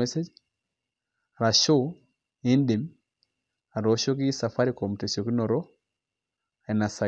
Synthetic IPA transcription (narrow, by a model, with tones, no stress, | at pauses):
e˦se˦d͡ʒ | a˨ɾa˨ʃo˦ | i˦ndi˨m | a˨ɾɔ˨˦ʃo˦ki˦sa˨fa˦ɾiko˨mu˨te˨so˨ki˦nɔ˨ɾɔ˦ | a˨i˨na˨sa˨